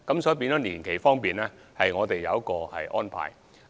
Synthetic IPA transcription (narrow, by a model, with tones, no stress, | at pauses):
kɐ˨˥msɔː˨˥jp̬iː˧nt͡ɕɔː˨˥niː˨˩nkʰe˨˩jfɔː˥ŋpiː˨nɛː˥hɐ˨jŋɔː˨˧t̪e˨jːɐ̰˨˧wɐ˥kɔː˧hɐ̰˨jʔɔ̰ː˥npʰa̰ː˨˩j